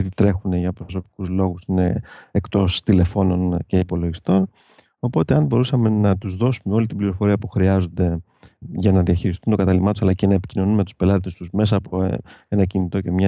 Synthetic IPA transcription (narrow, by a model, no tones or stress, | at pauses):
ðit̪ɾe̞xune̞ʝɐpɾoso̞pi̥kuzlo̞ɣusine̞̰ekt̪o̞st̪ilefo̞no̞nce̞ipo̞lo̞ʝist̪o̞n | o̞po̞t̪e̞ɐnbo̞ɾusɐme̞nɐt̪uzðo̞sumeo̞lit̪ibliɾo̞fo̞ɾiɐpuxɾiɐzo̞nd̪e̞ | ʝɐnɐðiɐçiɾist̪unt̪o̞kɐt̪ɐlimɐt̪usɐlɐce̞nɐe̞pi̥cino̞numet̪u̥spe̞lɐt̪est̪uzme̞s̬ɐːpo̞̰e̞nɐcinit̪o̞ce̞mɲɐ